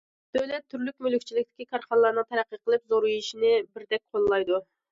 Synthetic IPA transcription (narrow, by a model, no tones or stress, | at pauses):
d̪̥øwlɛt̪ʰːyɾlykʲmylykʲt͡ʃʰilɪkʲt̪ɪ̥kʲikʰɑɾχɑnlˠɑɾnɨŋt̪ʰæɾæqːəqʰəlˠɨpzoɾujiʃinɪbɪɾd̪ɛk̚ʲqʰolˠlˠɑjd̪u